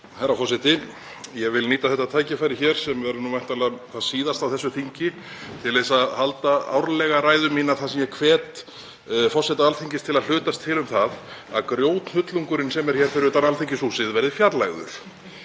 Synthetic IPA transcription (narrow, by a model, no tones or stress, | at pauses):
hajɾafɔsɪt̪ɪ | jɛɣvɪlniːt̪aθɛht̪ːat̪ʰaːjcɪfajɾɪçɛɾ̥sɛmvɛɾnumajn̥t̪alɛaθaðsiːðast̪awθɛsːʏθiɲcɪ | t̪ʰɪlðesaðhalt̪aa̰wɾlɛɣaɾaːjðʏmiːnaθasɛmjɛkʰvɛːt̪ | fɔw̥sɛt̪aalθiɲcɪst̪ʰɪlaðl̥ʏːt̪ast̪ʰːɪlʏmθaða̰ðkɾjoːwt̪nhʏt̪luŋkʏɾɪnsɛmɛɾ̥çɛːɾ̥fɪɾʏt̪analθiɲcɪsuːsɪðvɛɾðɪfjaɾlaɣʏ̰ɾ̥